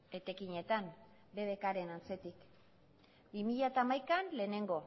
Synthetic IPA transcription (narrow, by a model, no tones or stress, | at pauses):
e̞t̪e̞kiɲe̞t̪an | be̞βe̞kaɾe̞nant͡se̞t̪ik | bimiʎat̪aːmajkanle̞ːne̞ŋɡo̞